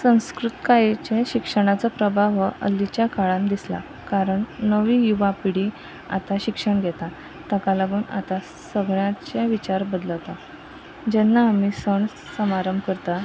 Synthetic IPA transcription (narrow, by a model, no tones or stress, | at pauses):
sə̃w̃skɾut̪kajet͡ɕeɕikʂəɽ̃at͡səpɾəbʱaʋəʔə̰lːit͡ɕjakaɭãmd̪isla̰ | kaɾəɳːəʋiːjuʋapiɽi | a̰t̪aɕikʂəɳɡʱɛt̪a | t̪əkalaɡuːna̰t̪a | səɡɭjãt͡ɕaʋit͡ɕaɾbəd̪ləwt̪a | d͡ʑɛnːaːmisəɳː | əmaɾəmbkəɾt̪a